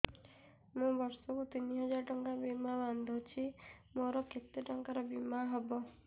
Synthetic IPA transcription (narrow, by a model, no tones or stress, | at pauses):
mũbɔɾsɔkut̪iniɦɔd͡ʒaɾɔʈɔŋkabimaband̪ʱot͡ʃʰimoɾɔkʰet̪ːiʈɔŋkaɾɔbimaɦɔbɔ